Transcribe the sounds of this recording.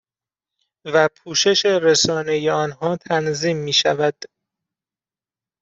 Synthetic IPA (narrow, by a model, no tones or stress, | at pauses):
væpʰuːʃe̞ʃe̞ɾesɒːne̞jeɒːnɦɒːt̪ʰænziːmːiːʃæ̰væd̪̥